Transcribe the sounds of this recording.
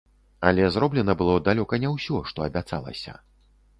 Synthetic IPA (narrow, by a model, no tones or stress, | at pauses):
ɐlʲɛzɾɔblʲɛnɐbɨlˠɔd̪alʲɔkɐnʲɛwsʲɔʂt̪ɔɐbʲat̪sa̰lˠɐ̰sʲɐ̰